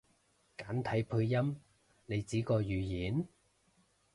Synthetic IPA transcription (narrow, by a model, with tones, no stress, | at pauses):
kaː˨˥nt̪ʰɐ˨˥jpʰɵ˧jɐ˥m | ne˨˧jt͡siː˨˥kɔː˧jyː˨jiː˨˥n